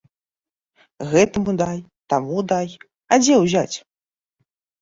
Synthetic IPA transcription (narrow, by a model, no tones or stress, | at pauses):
ɣɛt̪ɐmud̪aj | t̪amud̪aj | ad͡zʲɛwzʲat͡sʲ